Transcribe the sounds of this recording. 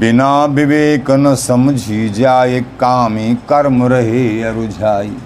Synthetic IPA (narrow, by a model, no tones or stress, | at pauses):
bɪnaːbɪʋeːkɐnɐsɐmd͡ʒʱiːd͡ʒaːjekːaːmikɐɾmɾɐɦeːɐɾud͡ʒʱaːji